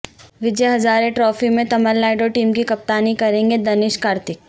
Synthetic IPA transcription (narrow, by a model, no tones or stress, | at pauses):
ʋɪd͡ʒeɦɐzaːɾeʈɾɔːfimẽt̪ɐməlːaːɪɖoʈiːmkikɐp̚t̪aːnikɐɾẽːŋɡed̪ɐnɪʃkaːɾt̪ɪk̚